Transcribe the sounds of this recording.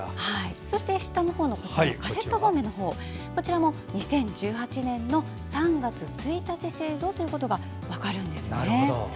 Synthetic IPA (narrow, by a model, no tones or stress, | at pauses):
haiso̞ɕi̥t̪e̞ɕi̥t̪ːano̞hoːno̞kot͡ɕkase̞t̪ːoɦoːme̞no̞ɦo̞ː | ko̞t͡ɕiɾamo̞ | ɲ̟isẽ̞ɲ̟d͡ʑɨːhat͡ɕinẽ̞nːo̞ | sãŋɡat͡sɨt͡sɨit̪at͡ɕise̞ːzo̞ːt̪o̞jɯ̟ko̞t̪o̞ɡa | β̞akaɾɯ̟̃nd̪e̞sɨnḛ